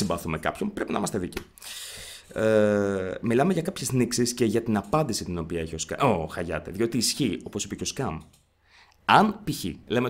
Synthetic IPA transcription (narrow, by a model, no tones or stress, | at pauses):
simbɐθume̞kɐ̰pço̞npɾe̞pinɐimɐst̪e̞ðici | e | milɐmeʝɐkɐpçe̞zniksisceʝɐt̪inɐpɐnd̪isit̪ino̞piɐeçio̞skɐ̰ʔoxɐʝɐ̰t̪eðio̞t̪iːsçio̞po̞si̥pecoskɐm | ɐnpiçḭle̞me